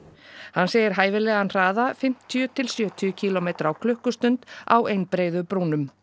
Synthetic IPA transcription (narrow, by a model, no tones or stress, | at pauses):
hanːseːjɪɾ̥ɦaːjvɪlɛːɣanr̥aːðafɪm̥t̪ʰjʏt̪ʰɪlsjœːt̪ʰʏʏcʰilɔmejt̪ɾawkʰlʏhkʏst̪ʏnt̪a̰wejnpɾeːjðʏpɾuːnʏm